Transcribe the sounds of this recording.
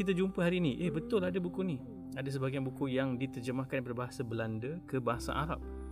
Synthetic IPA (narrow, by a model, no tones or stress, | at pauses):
it̪̬ad͡ʒumpəɦaɾiːnĩʔehbət̪ʊladabukuni | adas̬əbaɡijanbukujaŋdit̪ərd͡ʒəmahkanpadabaɦasabəlandəkəbaɦasa̰ʔa̰ɾa̰p̚